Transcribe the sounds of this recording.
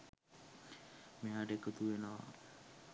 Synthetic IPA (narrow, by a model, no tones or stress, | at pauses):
meɦaɖekət̪uʋenəʋa̰